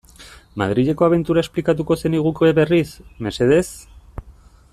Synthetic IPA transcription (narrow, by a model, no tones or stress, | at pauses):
ma̰ð̞ɾiʎe̞ko̞aβe̞nt̪uɾae̞splikat̪uko̞se̞niɣukoeβe̞risme̞se̞ð̞e̞s